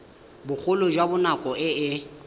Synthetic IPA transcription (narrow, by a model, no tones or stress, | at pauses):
bʊk͡xʰʊlʊd͡ʒwabʊnakʼɔʔɪɪ